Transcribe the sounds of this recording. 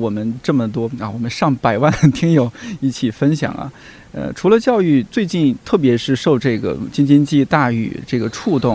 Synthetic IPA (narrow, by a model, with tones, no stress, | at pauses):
wɔ˨˩mə˦nʈ͡ʂɤ˥˩mə˩t̪wɔ˥ɐ˧˩wɔ˨˩mə˦nʂɑ˥˩ŋpa˨˩ɪwa˥˩nə˩t̪ʰi˥ŋjo˨˩ʊi˥˩t͡ɕʰi˨˩fə˥nɕjɑ̰˨˩˦ŋɐ̰˦ | ə̰˧ʈ͡ʂʰu˧˥lə˧t͡ɕjɑ˥˧ʊy˥˧t͡swe˥˧ɪt͡ɕi˥˧nt̪ʰɤ˥˩pjɛ˧˥ʂɻ̩˥˧ʂo˥˧ʊʈ͡ʂɤ˥˩ɡə̰˩t͡ɕi˥ŋt͡ɕi˥nt͡ɕi˥˧t̪a˥˩y̰˨˩ʈ͡ʂɤ˥˩ɡə˩ʈ͡ʂʰu˥˧t̪ʊ˥˩ŋ